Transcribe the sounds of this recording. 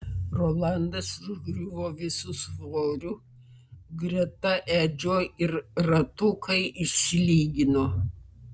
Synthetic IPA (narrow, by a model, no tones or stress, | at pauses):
ɾoːlˠɐˑnd̪ɐsɪʊʒɡɾʲuʋoːʋʲɪsʊsʋoːɾʲʊ | ɡɾʲɛt̪ɐʔæːd͡ʒʲoːɪɾɾɐt̪ʊkʰɐɪʔɪʃʲsʲɪlʲiːɡʲɪnoː